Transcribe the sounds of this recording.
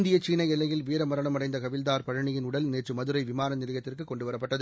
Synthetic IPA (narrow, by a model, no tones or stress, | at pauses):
nd̪ɪjɐt͡ʃiːnɐɪɛlːɐjɪlʋiːɾɐmɐɾɐɳɐmɐɽɐɪnd̪ɐkɐʋɪld̪aːɾpɐɻɐɳɪjɪnʊɽɐlneːʈrɯmɐðɯɾɐɪʋɪmaːnɐnɪɾɪjɐt̪ːɪrkɯkɔɳɖɯʋɐɾɐpːɐʈːɐðɯ